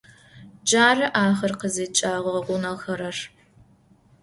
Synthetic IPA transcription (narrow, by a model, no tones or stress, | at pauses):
d͡ʒaːrɐʔaːχɐrqəzeːt͡ʃʼaːʁɐʁʷʊnɐxɐɾɐr